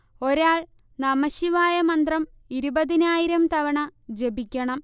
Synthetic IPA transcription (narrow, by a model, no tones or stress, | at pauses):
o̞ɾaːɭ | nɐmɐɕiʋaːjɐmɐnd̪rɐm | iɾubɐðinaːjiɾɐmt̪ɐʋɐɳɐd͡ʑe̞bikʲːɐɳɐm